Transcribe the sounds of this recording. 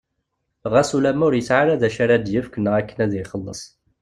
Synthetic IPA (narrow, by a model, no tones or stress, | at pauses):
ʁæsulæmʊɾjət͡sʕaɾæðæʃaɾæd̪jəfkənːəʁækːənæðiχəlːə̰sˤ